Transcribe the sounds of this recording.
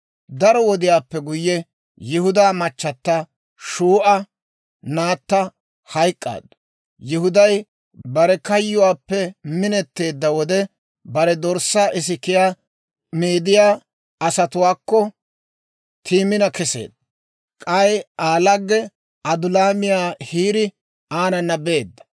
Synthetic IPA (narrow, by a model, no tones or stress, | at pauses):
d̪ɐɾɔwɔd̪ɪjaːpːɛɡʊjːɛ | jɪhʊd̪aːmɐt͡ʃːɐt̪ːɐ | ʃuːʔɐ | naːt̪ːɐ | hɐjkʼːa̰ːd̪ɐ | jɪhʊd̪ɐj | bɐɾɛkɐjːʊwaːpːɛmɪnɛt̪ːe̞ːd̪ːɐwɔd̪ɛ | bɐɾɛd̪ɔɾsaːʔɪs̬ɪkːɪjaː | meːd̪ɪjaː | ɐsɐt̪ʊwaːkːɔ | t̪ʰiːmɪnɐkɛsḛːd̪ːɐ | kʼɐjaːlɐɡːɛ | ɐd̪ʊlaːmɪjaːhiːɾɪ | aːnɐnːɐbeːd̪ːɐ̥